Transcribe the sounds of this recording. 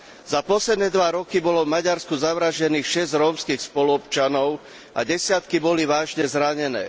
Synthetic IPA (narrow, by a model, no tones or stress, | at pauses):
zapɔslɛd̪nɛːd̪ʋaɾɔkibɔlɔvmaɟaɾskuzaʋɾaʒɟɛniːxʃɛzɾɔːmskiːxspɔluɔpt͡ʃanɔʊ | ʔa̰ɟɛsɪat̪kibɔliʋaːʒɲɛzɾaɲɛnɛ̰ː